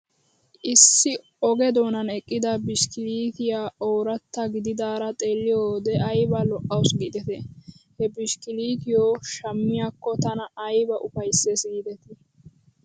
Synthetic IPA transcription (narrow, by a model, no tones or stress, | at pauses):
ʔɪsːɪ | ɔɡɛd̪o̞ːnɐnɛkʼːɪd̪ɐbɪʃkɪliːt̪ɪjaːʔoːɾɐt̪ːɐɡɪd̪ɪd̪aːɾɐt̪ʼe̞ːlːɪjoːd̪ɛʔɐjbɐlɔʔɐwsɡɪd̪ɛt̪ɛhɛbɪʃkɪliːt̪ɪjoːʃɐmːɪjaːkːɔt̪ɐnɐːjbɐʔʊfɐjsːɛsid̪ɛt̪ɛ